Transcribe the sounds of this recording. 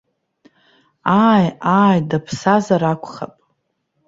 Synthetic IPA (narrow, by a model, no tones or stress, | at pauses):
ajaːjdapʰsazaɾakʷʰʼχa̰pʼ